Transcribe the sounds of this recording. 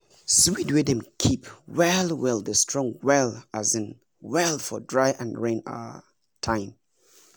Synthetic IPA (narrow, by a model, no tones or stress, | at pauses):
swidwɛdɛ̃mkʰipwɛlwɛlˠdəstʰɹ̥ɔ̃ŋwɛlazɨ̃n | wɛlˠfɔdɹaɪʔãnɹẽna̰ | tʰãɪ̃m